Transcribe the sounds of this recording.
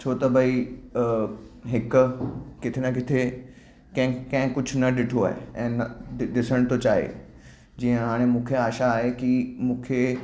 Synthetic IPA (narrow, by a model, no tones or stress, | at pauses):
t͡ɕʰot̪ɐbʱɐi | ɦɪkkɪt̪ʰenɐk̬ɪt̪ʰe | kɐ̃ɦɪ̃kɐ̃ɦɪ̃kʊd͡ʑʱʊ̆nɐɗɪʈʰoaːɦḛɛ̃ːnɐɗɪsəɽ̃t̪ʰot͡ɕaːɦḛ | d͡ʑiːə̃ɦaːɽ̃emũːkʰeaːʃaːɦekimũːkʰe